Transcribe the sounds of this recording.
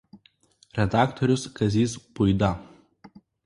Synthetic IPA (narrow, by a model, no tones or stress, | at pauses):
ɾʲɛd̪ɑːkt̪ɔɾʲʊskɐzʲiːspʊɪd̪ɐ